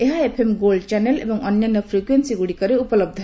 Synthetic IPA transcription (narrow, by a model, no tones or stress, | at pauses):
eɦaepʰemɡolɖt͡ʃanelḛbʌŋʌnjʌnʌpʰrikwensiɡuɽikʌɾeupʌlʌb̚d̪ʱʌ